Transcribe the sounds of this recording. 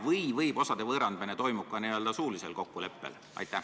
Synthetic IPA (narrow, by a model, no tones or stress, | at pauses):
vɤjvɤjbo̞sɑd̪e̞vɤːɾɑnd̪mɑnet̪o̞jmuk̚kːɑniø̞ld̪ɑsuːlise̞̰lko̞kːule̞pːe̞̰l | ʔɑ̰jt̪ˑːæ